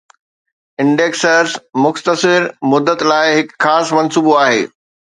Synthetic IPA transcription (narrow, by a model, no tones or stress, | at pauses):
ɪ̃ɳɖeːksəɾzmʊxt̪əsɪɾmʊd̪ːət̪laːɪɦɪkxaːsmɐnsuːboaːɦḛː